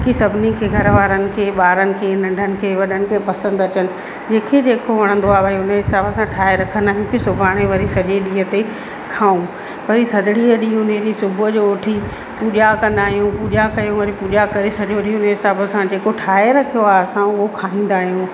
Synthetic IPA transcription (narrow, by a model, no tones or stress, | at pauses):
kʰisɐbʱɪnikʰeːɡʱɐɾəʋaːɾənɪ̆kʰeːɓaːɾənɪ̆kʰeːnɐ̃ɳɖʱənɪ̆kʰeːʋɐɗənɪ̆kʰeːpɐsə̃nd̪ɐt͡ɕənɪ̆ | d͡ʑeːkʰed͡ʑeːkoʋɐɽ̃ə̃n̆d̪oaːʋɐɦeʊnəɦɪsaːbəsãʈʰaːeɾɐkʰənd̪aːɦijũkisʊbʱaːɽ̃eʋɐɾisɐʄeɗĩːɦət̪e | kʰaːũ | ʋɐɾit̪ʰɐd̪ɪɽiəɗiʊned͡ʑisʊbʱəd͡ʑoːʈʰi | puːʄakɐ̃nd̪aːɦijũpuːʄakɐjũʋɐɾipuːʄakɐɾesɐʄoʈʰiʊnəɦɪsaːbəsãd͡ʑeːkoʈʰaːeɾɐkʰijoaːɦɐsãʊɦokʰaːĩːn̆d̪aːɦijũː